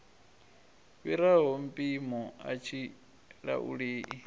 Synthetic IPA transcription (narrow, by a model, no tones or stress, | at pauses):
βiɾaɦɔm̩pʼimɔat͡ʃʰi | ɺa̰ʔṵɺeːʔi